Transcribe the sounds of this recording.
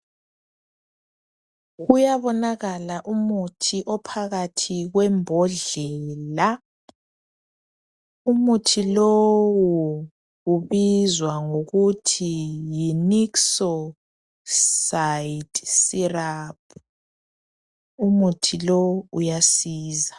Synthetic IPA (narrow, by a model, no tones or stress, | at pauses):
ɣujaβɔnaɣalaʔumutʰiʔɔpʰaɣatʰiɣwɛmbʱɔɮɛːla | umutʰilowu | ɣuβizwaŋoɣutʰijiniksɔ | saitsiraːpʰu | umutʰilɔwujasiːza